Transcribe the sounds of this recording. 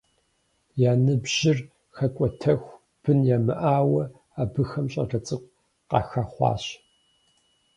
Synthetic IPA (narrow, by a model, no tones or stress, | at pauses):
jaːnɨbʑ̥ɪr | xɐkʷʼɔtʰɐxʷ | b̥ɨnjaːmɨ̰ʔaːwɐ | aːbɨxɐmɕʼɐ̰rɐt͡sʼɨqʷ | qɑ̰ːxaχʷɑ̰ːɕ